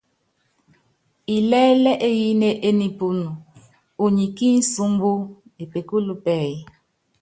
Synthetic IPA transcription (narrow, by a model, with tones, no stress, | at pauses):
i˨lɛ˦lɛ˦ʔe˦ji˦ne˦ʔe˦ni˨pu˨nu˨ | u˨ɲi˨ki˦n̩˦su˦mbu˦e˨pe˨ku˦lu˦pɛ˦˨ji˦